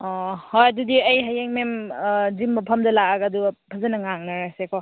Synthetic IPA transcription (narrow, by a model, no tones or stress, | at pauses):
ɔhojɐdudiɐjɦajeŋmemzimːɐpʰɐmdɐlakaɡɐdupʰɐzɐnɐŋaŋnɐɾasekʰɔ